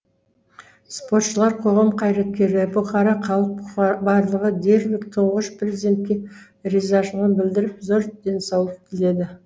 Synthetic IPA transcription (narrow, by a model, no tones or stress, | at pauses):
spo̞ɾt̪ʃəlˠɑɾqʰo̞ʁɑmqʰɑjɾɑt̪̚kʲe̞ɾɪbʊqʰɑɾɑqʰɑlˠəq̚bɑɾlˠəʁəd̪e̞ɾlɪkt̪ʰʊɴʁəʃprʲezʲid̪ʲe̞nt̪̚kʲe̞ | ɾizɑʃənənbɪld̪ɪɾɪpzoɾd̪̥e̞nsɑwlˠəp̚kʲʰɪle̞d̪ɪ